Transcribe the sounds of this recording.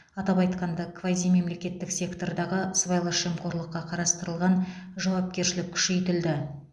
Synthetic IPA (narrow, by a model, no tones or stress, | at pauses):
ɑt̪ɑbɑjt̪qɑnd̪ɑkʰvazime̞mle̞kʲe̞t̪ːɪksʲe̞kt̪o̞ɾd̪ɑʁəsvɑjlˠəʃemqʰo̞ɾlˠəqːɑqʰɑɾɑst̪əɾəlˠʁɑnʒɑwɑp̚kʲe̞ɾʃɪlɪk̚ʲʰʏ̥ʃe̞jt̪ɪld̪ɪ